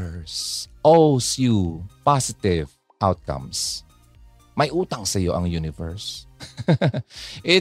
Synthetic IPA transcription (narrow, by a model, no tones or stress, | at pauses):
sʔosjupasɪt̪ɪv | ʔawt̪̚kɐ̰ms | mɐjʔuːt̪ɐŋsɐjo̞ʔɐŋjuːnɪvɛ̰ɹs | ʔɪ